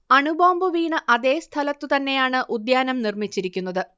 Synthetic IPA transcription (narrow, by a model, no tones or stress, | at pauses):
ɐɳuboːmbɨʋiːɳɨʔɐðe̞ːst̪ʰɐlɐt̪ːɨt̪ɐnːe̞jaːɳɨʔud̪jaːnɐmnirmit͡ɕːiɾikʲːunːɐðɨ